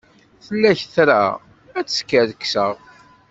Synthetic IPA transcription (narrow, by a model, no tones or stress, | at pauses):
θəlːæçθɾa̰ | æt͡sːskːəðəkːsəʁ